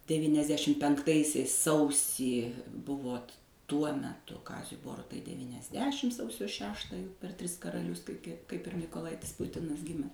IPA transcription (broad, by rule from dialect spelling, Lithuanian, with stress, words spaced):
dʲɛʋʲiːnʲɛzʲˈdʲæːʃʲɪm pʲɛŋkˈtɐɪsʲɛɪs ˈsɐʊsʲiː ˈbʊʋoːt ˈtuɔ mʲɛˈtʊ ˈkɑːzʲʊɪ ˈboːrʊtɐɪ dʲɛʋʲiːnʲɛzʲˈdʲæːʃʲɪm ˈsɐʊsʲoː ˈʃʲæːʃtɑː jɛʊ pʲɛr ˈtʲrʲɪs kɐrɐˈlʲʊs kɐɪ ˈkɐɪp ɪr mʲiːkoːˈlˠɐɪtʲɪs ˈpʊtʲɪnɐs ˈɡʲɪmʲɛs